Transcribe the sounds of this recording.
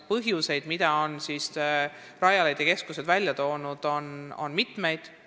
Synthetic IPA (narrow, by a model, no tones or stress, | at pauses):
pɤɦjuse̞jd̪̥mid̪̥ɑo̞nsis | rɑjɑlejd̪̥jɑke̞skuse̞d̪vælʲjɑt̪o̞ːnud̪̥o̞no̞̰nmit̪ˑme̞jd̪̥